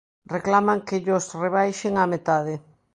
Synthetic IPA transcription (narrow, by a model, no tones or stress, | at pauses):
reklamaŋkɪʎʊsreβajʃeŋamet̪aðɪ